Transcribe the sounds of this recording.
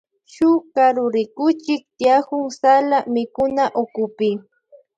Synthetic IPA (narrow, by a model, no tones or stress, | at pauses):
ʃʊkaɾʊɾɪkʊt͡ʃɪk̚t̪jahʊŋsalamɪkʊnaʔʊkʊpɪ